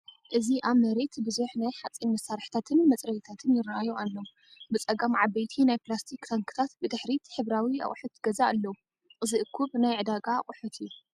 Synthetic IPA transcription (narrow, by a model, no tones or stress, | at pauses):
ʔɨziʔaβmɐɾe̞t̪bɨzuħnajħat͡sʼinmɐsaɾħt̪ʰat̪ʰɨnmɐt͡sʼɾɐβit̪ʰat̪ʰɨnjɪrɐʔajoalːo | bɨt͡sʼɐɡamʕaβejt̪ʰinajplast̪ʰikt̪ʰɐŋkʰɨ̥t̪ʰat̪bɨd̪ɨħɾit̪ħɨβɾawiʔa̰χʼħut̪ɡ̥ɐzaʔːlːɐwu | ʔʼɨzɨʔɨkʰːuβnajʕɨd̪aɡaqʼʊħut̪ʰiju